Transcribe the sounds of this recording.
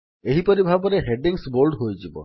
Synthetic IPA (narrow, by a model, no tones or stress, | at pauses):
eɦipɔɾibʱabɔɾeɦeɖiŋsboɾɖɦojd͡ʒibɔ̰